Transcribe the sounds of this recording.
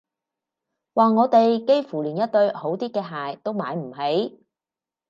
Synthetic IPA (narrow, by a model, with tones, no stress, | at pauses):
waː˨ŋɔː˨˧t̪e˨jke˥jfuː˨˩liː˨˩njɐ˥t̚t̪ɵ˧ɥho˨˥wt̪iː˥kɛː˧ɦaː˨jt̪o˥wma̰ː˨˧˥jm̩˨˩ɦe˨˥j